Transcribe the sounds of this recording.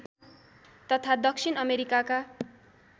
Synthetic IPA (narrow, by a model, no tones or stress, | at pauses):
t̪ʌt̪ʰad̪ʌksʰinʌmeɾikaka